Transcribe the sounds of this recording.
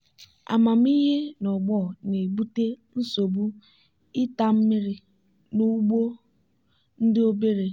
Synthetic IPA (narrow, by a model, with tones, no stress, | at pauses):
a̰˨ma˨m̩˦i˦ɦe˦nɔ˨ɡ͡bɔ˦˨ne˨ɡ͡bu˦te˦n̩˦so˨bu˦ | ɪ˦ta˨m̩˦mɪ˦ɾɪ˨ | nu˦ɡ͡bo˦ | n̩˦dɪ˦o˦be˦ɾe˨